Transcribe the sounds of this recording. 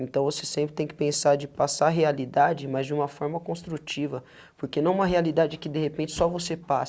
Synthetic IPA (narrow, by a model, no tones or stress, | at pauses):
ẽnt̪ɐ̃w̃vosesẽmpɾɪt̪ẽj̃kɪ̥pẽsaɾd͡ʒɪpasaɦealid̪ad͡ʒɪmɐzd͡ʒɪũmɐfɔɾmɐkõst̪ɾut͡ʃivɐ | poɾkenɐ̃w̃ũmɐɦealid̪ad͡ʒɪkɪd̪ehepẽnt͡ʃɪ̥sɔvosepas